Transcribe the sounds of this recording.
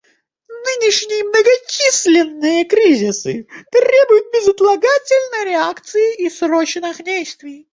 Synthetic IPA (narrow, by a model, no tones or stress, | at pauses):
nɨnʲɪʂnʲɪjəmnəɡɐt͡ɕisʲlʲɪnːɨjəkɾʲizʲɪsɨ̰t̪ɾʲebʊjʊt̪̚bʲɪzət̪lˠɐɡatʲɪlʲnəjɾʲɪakt̪sɨjɪʔisrot͡ɕnɨxdʲejst̪vʲɪj